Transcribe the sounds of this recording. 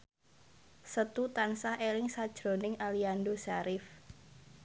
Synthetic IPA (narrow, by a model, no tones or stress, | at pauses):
sət̪ut̪ansahelɪŋsad̥ʒ̥ɾo̤nɪŋaliandosaɾɪf